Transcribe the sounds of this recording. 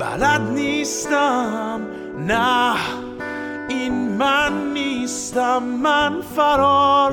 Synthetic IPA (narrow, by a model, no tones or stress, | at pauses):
ba̰lat̪̚nist̪am | na | ɪnmanːist̪amːanfaɾɔl